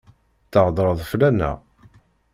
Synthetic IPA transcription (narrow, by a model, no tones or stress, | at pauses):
θəʁd̪ˤɾˤəðˤflænæ̰